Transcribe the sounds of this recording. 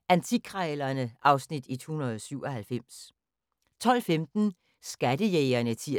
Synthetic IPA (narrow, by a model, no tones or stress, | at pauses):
ænt͡sʰikʰʁalɐnəʔɑ̈ʊsnid̥it͡sʰohunɐð̩ˠsyʊ̰ɒhælfem̰s | t͡sʰɒ̽l̰femd̥n̩ | sɡ̥æd̥əjeɪɐnət͡sʰi